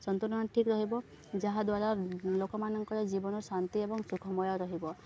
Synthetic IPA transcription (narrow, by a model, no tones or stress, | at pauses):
sɔnt̪uɾnɔʈʰikɾɔɦibɔ | d͡ʒaɦad̪waɾalokɔmanɔŋkɔɾɔd͡ʒibɔnɔsant̪iebɔŋsukʰɔmɔjɔɾɔɦibɔ